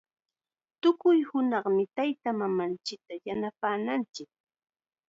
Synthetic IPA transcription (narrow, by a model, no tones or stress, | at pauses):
t̪ʊkʊjhʊnɑχmɪt̪ajt̪amamant͡ʃɪk̚t̪ajanapaːnant͡ʃɪk̚